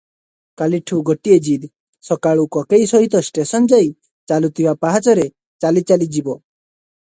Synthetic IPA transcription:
kaliʈʰuɡɔʈied͡ʒid̪ | sɔkaɭukɔkejsɔɦit̪ɔsʈesɔnd͡ʒaj | t͡ʃalut̪ʰibapaɦat͡ʃɔɾe | t͡ʃalit͡ʃalid͡ʒibɔ

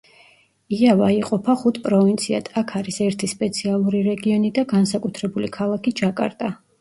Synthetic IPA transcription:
iavaiqʼɔpʰaχut̪ʰpʼɾɔvint̪sʰia̰t̪ʰʼakʰaɾisɛɾt̪ʰispʼɛt̪sʰialˠuɾiɾɛɡiɔnid̪aɡansakʼut̪ʰɾɛbulikʰalˠakʰid͡ʒakʼa̰ɾt̪ʼa

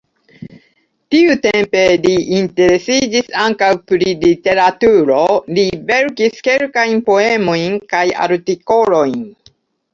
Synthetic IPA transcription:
tiute̞mpe̞liːnte̞ɾe̞sid͡ʒisaŋkawpɾilite̞ɾatuɾo̞live̞ɾkiske̞lkajnpo̞e̞mo̞jnkaja̰ɾtiko̞lo̞jn

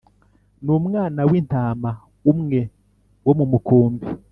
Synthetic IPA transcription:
numŋaːnawin̥taːma | umŋe̞ | womumukuːmbi

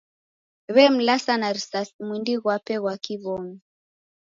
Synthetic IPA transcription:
βɛm̩lasanaɾisasmwindiɣwapɛɣwakiβɔŋi

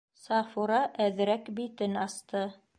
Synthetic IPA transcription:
sɑfuɾɑʔæðɾækbit̪ɘnɑst̪ɤ

